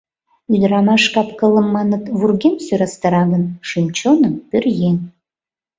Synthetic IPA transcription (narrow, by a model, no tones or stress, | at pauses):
yd̪ɾɑmɑʃkɑpkə̆lˠəmːɑnət̪vurɡʲemsøɾɑst̪əɾɑɣənʃymt͡ɕonəmpyrjen